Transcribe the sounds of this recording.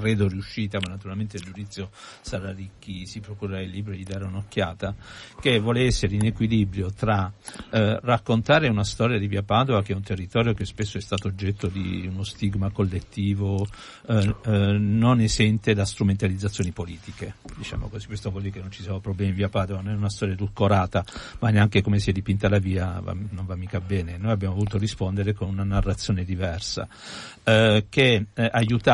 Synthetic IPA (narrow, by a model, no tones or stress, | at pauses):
kɾeːd̪oriuʃːiːt̪amanːat̪uɾalment̪eild͡ʒud̪it̪sːjosaɾarikːisipɾokuɾailːiːbɾod̪id̪aːɾeunokːjaːt̪ak̟evwɔːleɛsːeɾeinekwilibɾjot̪ɾa | rakːont̪aːɾeunast̪ɔːɾjad̪iviapaːd̪ovakeɛunt̪erːit̪ɔːɾjokespesːoɛst̪aːt̪oːd͡ʒːɛt̪ːod̪iunost̪iɡmakolːet̪ːiːvo | nonezɛnt̪ed̪ast̪ɾument̪alid̪zːat̪sːjoːnipoliːt̪iked̪it͡ʃa̰ːmo̰kozi̥pːwest̪ovold̪iɾkenːont͡ʃisiɛvopɾoblɛmiɱviapaːd̪ovanonɛunast̪ɔːɾjad̪ulkoɾaːt̪amanːeaŋkekomesiɛd̪ipint̪alaviːava̰noɱvamːiːkabɛːnenojabjamovoluːt̪orispond̪eɾekonunanarːat̪sjoːned̪ivɛrsa̰ | keajut̪a